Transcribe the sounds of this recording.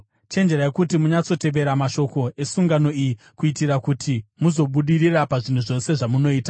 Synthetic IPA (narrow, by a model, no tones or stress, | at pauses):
t͡ʃe̞nd͡ʒe̞ɾaekutimuɲat͡so̞te̞ʋe̞ɾamaʃo̞ko̞e̞suŋɡano̞iji | kuitirakutʰimuzo̞ɓuɗirirapaʐin̤uʐo̞se̞ʐamuno̞iːta